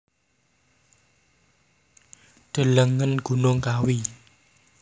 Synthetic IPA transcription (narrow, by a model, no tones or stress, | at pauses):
ɖ̪̥ə̤ləŋənɡ̥ṳnʊŋkawi